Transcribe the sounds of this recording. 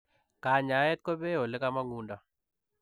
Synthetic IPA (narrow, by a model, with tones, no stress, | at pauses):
ka˨ɲa˨˦ɛ˦t̪̚ko˦be˦o˨le˦ka˦ma˦ŋu˦nda˨